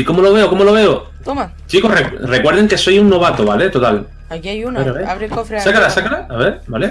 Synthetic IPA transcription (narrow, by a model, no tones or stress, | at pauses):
iko̞molo̞β̞e̞okomoloβe̞o | t̪oma | t͡ʃiko̞rekre̞kwe̞ɾðe̞ŋke̞so̞juŋːo̞βat̪oβale̞t̪o̞t̪al | akiajuneɾaβeɾaβɾikofɾsakalasakalaaβe̞ɾbale